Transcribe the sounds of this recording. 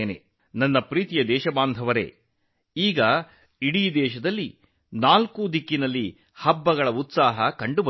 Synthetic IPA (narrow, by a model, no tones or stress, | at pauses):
nḛ | nɐnːɐpɾiːt̪ijɐd̪ɛːʃɐbaːnd̪ʱɐʋɐɾḛː | iːɡɐ | iɽiːd̪ɛːʃɐd̪ɐlːi | naːlkud̪ʱikːinɐlːi | hɐbːɐɡɐɭɐut̪saːɦɐkɐɳɖubɐ